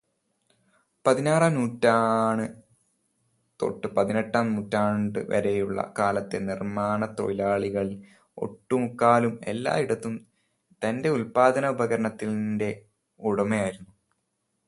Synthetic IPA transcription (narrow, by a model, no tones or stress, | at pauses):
pɐðinaːranuːtːaːɳɨ | t̪o̞̰ʈːɨpɐðineʈːaːmnuːtːaːɳɳɖɨ̰ʋɐ̰ɾejuɭːɐ̰kaːlɐt̪ːenirmaːɳɐt̪o̞̰jlaːɭiɣɐɭi | o̞̰ʈːumukːaːlume̞̰lːa̰ːiɽɐt̪ːum | t̪ɐnde̞ulpaːd̪ɐnɐubɐɣɐɾɐɳɐt̪ːilnde̞ | uɽɐmejaːjiɾunːu